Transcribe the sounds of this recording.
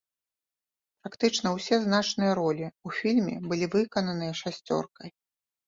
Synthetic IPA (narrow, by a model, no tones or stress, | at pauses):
pɾakt̪ɨt͡ʂnɐwsʲɛzn̪at͡ʂnɨjɐɾɔlʲiufʲilʲmʲɛ̰bɨlʲivɨkɐnɐnɨjɐʂasʲt͡sʲɔ̰rkɐj